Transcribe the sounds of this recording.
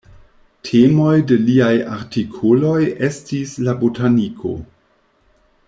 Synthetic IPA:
tʰemo̞jde̞liaja̰ɾtikʰolo̞jʔestislabotʰanikʰo̞̰

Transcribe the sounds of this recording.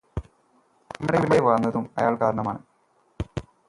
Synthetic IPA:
ɐmːɐɽeineʋaːrnːɐðumɐ̰jaːɭkaːɾɐɳɐmaːɳɨ

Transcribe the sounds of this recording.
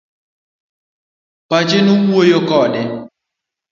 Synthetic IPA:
pad͡ʒɪnuwojokɔdɛ

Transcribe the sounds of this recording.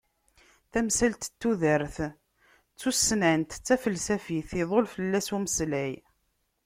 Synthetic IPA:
θæmsælt̪t̪ːuðəɾθ | t͡sːusːnænt̪t͡sːæfəlsæfiθiðˤolfəlːæsuməslæj

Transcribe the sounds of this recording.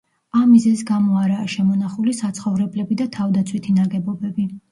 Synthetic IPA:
amːizɛzisɡamɔaɾaːʃɛmɔnaχulisat̪sʰχɔvɾɛblɛbid̪at̪ʰavd̪at̪sʰwit̪ʰinaɡɛbɔbɛbi

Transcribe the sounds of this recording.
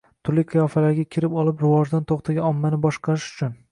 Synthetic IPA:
t̪ʰʊɾlɪqʰɨjɒfalaɾɡʲakʲʰɪɾɪpɒlˠɪpɾɪvɒʒd̪ant̪ʰoqt̪ʰaɡʲaɒmːanɪbɒʃqʰɑɾɪʃʊ̥t͡ʃʰʊn

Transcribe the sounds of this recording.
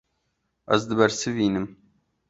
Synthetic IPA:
ɐ̰zd̪ɨbɛɾsɨviːnɨm

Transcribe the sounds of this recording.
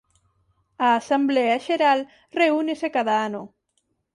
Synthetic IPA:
aːsambleaʃeɾal | reunesekaðaano

